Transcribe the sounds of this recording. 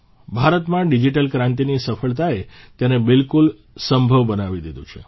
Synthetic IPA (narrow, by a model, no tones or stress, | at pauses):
bʱaɾət̪mãɖid͡ʒiʈəlkɾãnt̪̬inisəfəɭt̪aet̪janebɪlkul | səmbʱəʋbənaʋid̪id̪ũt͡ʃʰe